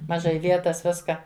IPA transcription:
mɐˈʒɐɪ ˈʋʲiɛtɐs ˈʋʲɪskɐ

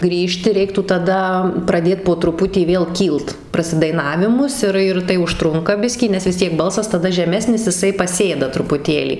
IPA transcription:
ˈɡrʲiːʃʲtʲɪ ˈrʲɛɪktuː tɐˈdɐ prɐˈdʲeːt poː trʊˈpʊtʲiː ˈʋʲeːlˠ ˈkʲiːlˠt prɐsʲɪdɐɪˈnɑːʋʲɪmʊs ˈɪr ɪr tɐɪ ʊʃˈtrʊŋkɐ ˈbʲɪsʲkʲiː nʲɛs ʋʲɪs ˈtʲiɛk ˈbɐlˠsɐs tɐˈdɐ ʒʲɛˈmʲæːsʲnʲɪs jɪˈsɐɪ pɐˈsʲeːdɐ trʊpʊˈtʲeːlʲiː

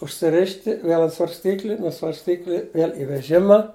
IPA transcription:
ʊʃʲsʲɪˈrʲɪʃʲtʲɪ ˈʋʲiɛlˠ ɐnt sʋɐrʲsʲˈtʲiːklʲɪ nuɔ sʋɐrʲsʲˈtʲiːklʲɪ ˈʋʲiɛlʲ ɪ ʋʲɛˈʒʲɪmɐ

